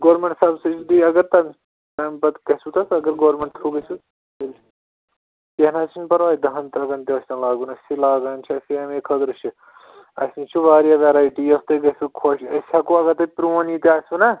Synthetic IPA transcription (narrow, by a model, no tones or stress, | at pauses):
ɡoːɾmeɳʈsɐbsɐt͡ʃʰud̪iɐɡɐɾt̪ɐm | t̪ɐmpɐt̪kɐsut̪ɐsɐɡɐɾɡoːɾmeɳʈ̚t̪ʰɾuːkɐsu | il | kenat͡ʃʰinpɐɾʋaːid̪ɐɦɐnt̪ɾɐɡɐnt̪iʋɐsʲnɐlaːɡunɐsilaːɡaːnt͡ʃʰɐseɐmeːkʰɐd̪ɾuʃʰi | ɐ̰snit͡ʃʰuʋaːɾijaʋeɾaːiʈijɐxt̪ɐɡɐsukʰoʃɐsʲɐkuɐɡɐɾt̪ɐpɾuːɐnit̪iaːsʲunɐ